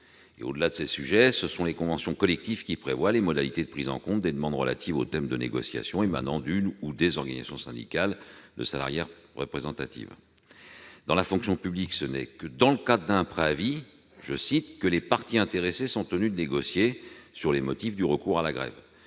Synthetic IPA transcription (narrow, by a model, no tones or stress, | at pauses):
ḛo̰d̪əlad̪əsesyʒɛsəsɔ̃lekɔ̃vɑ̃sjɔ̃kɔlɛk̚t̪ivkʲipχevwalemɔd̪alit̪ed̪əpχizɑ̰̃kɔ̃t̪̚d̪ed̪əmɑ̃d̪ʁəla̰t̪ʰivot̪ɛmd̪ənḛɡɔ̰sja̰sjɔ̃ema̰nɑ̃d̪ynud̪ezɔʁɡaniza̰sjɔ̃sɛ̰̃d̪ḭkald̪ə̰sala̰ʁjɛʁʁə̰pχezɑ̃t̪at̪ḭv | d̪ɑ̃lafɔ̃ksjɔ̃pybliksənɛ̰kəd̪ɑ̃ləkad̪ʁəd̪ɛ̃pχeavi | ʒəsit̪kəlepaʁt̪iɛ̃t̪eʁesesɔ̃t̪ənyd̪əneɡɔsjesyʁlemɔt̪ifd̪yʁəkuʁalaɡʁɛ̰v